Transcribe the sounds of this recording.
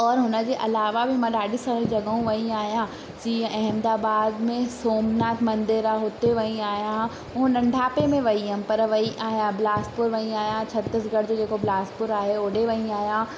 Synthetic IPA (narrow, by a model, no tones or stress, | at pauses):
ɔːɾɦʊnəd͡ʑeːʔɐlaːʋabʱɪmãɗaːɗisãːɾd͡ʑɐɠəũʋɐĩaːɦijã | d͡ʑiːə̃ʔɐɦmd̪aːbaːd̪mẽsoːmnaːt̪ʰmɐ̃nd̪ɪɾaɦoːt̪eʋɐĩaːɦijã | ʊɦũnɐ̃ɳɖʱaːpemẽʋɐiəmpɐɾʋɐiʔaːɦijãblaːspʊɾʋɐĩaːɦjãt͡ɕʰɐt̪ɪsɡʱɐɽd͡ʑoːd͡ʑeːkoblaːspʊɾaːɦeoːɖeʋɐĩaːɦijã